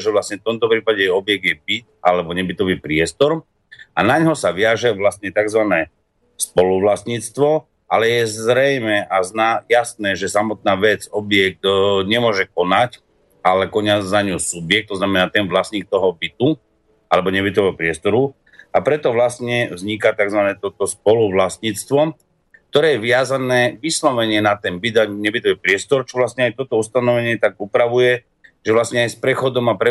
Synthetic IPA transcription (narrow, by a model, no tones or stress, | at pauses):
ʒɛʋlasɲɛft̪ɔmt̪ɔpɾiːpaɟɛjɛɔbjɛɡ̚d̪jɛbit̪̚ʔalɛbɔɲɛbit̪ɔʋipɾɪɛst̪ɔɾ | ʔa̰naɲɦɔsaʋɪaʒɛʋlast̪ɲɛt̪aɡzʋanɛː | spɔluʋlasɲiːt͡st̪ʋɔ | ʔalɛjɛzɾɛjmɛʔaznajasnɛːʒɛsamɔt̪̚naːʋɛd͡zɔbjɛk̚t̪ɲɛmʊɔʒɛk̚ɔnac | alɛkɔɲad͡zzaɲusubjɛk̚t̪ːɔznamɛnaːt̪ɛnʋlasɲiːk̚t̪ɔɦɔbit̪u | a̰lɛbɔɲɛbit̪ɔʋɛɦɔpɾɪɛst̪ɔɾu | apɾɛt̪ɔʋlastɲɛvzɲikat̪aɡzʋanɛːt̪ɔt̪ɔspɔluʋlast̪ɲiːt͡st̪ʋɔ | kt̪ɔɾɛːjɛʋɪazanɛːʋislɔʋɛɲɪɛnat̪ɛnbid̪aɲɛbit̪ɔʋipɾɪɛst̪ɔɾt͡ʃɔʋlasɲɛajt̪ɔt̪ɔust̪anɔʋɛɲɪɛt̪aɡupɾaʋujɛ | ʒ̥ɛʋlastɲɛajspɾɛxɔd̪ɔmapɾɛ